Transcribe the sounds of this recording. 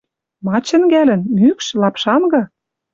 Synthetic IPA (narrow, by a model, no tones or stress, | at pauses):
mɑt͡ɕə̆nɡælə̆nmykʃlɑpʃɑnɡɤ̆